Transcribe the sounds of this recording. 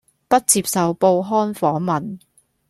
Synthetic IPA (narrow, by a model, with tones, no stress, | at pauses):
pɐ˥t̚t͡siː˧p̚sɐ˨wpo˧wɦɔː˥nfɔː˨˥ŋmɐ˨n